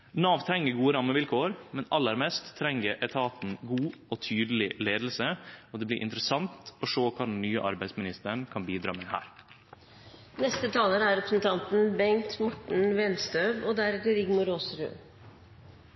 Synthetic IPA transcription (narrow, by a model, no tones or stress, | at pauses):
nɑːʋt̪ʰɾɛŋːəɡuːəɾɑmːəʋɪlkʰoːəɾmɛnɑlːəɾmɛst̪ʰːɾɛŋːəɾʔɛt̪ʰɑːt̪n̩ɡuːɔt̪ʰyːd̪əlɪleːd̪əl̩səɔd̪ɛːblɪ̰ʔɪ̰nt̪ɾəsɑnt̪ɔʂoːkʰɑɖ̪n̩nyːə̰ʔɑ̰ɾbæɪsmɪnɪst̪əɳkʰɑnbiːd̪ɾɑ̰ːmɛhæ̰ːɾ | nɛst̪ət̪ʰɑːləɾəæɾɛpɾəsnt̪ʰɑnt̪n̩bɛŋt̪mɔʈɳ̩ʋɛnst̪øːʋɔd̪æɾt̪əɾɪɡmʊɾoːsɾʉ̰ː